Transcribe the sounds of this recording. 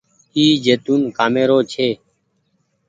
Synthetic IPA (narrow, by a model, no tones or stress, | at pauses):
iːd͡ʒeːt̪uːnkaːmeːɾoːt͡ʃʰeː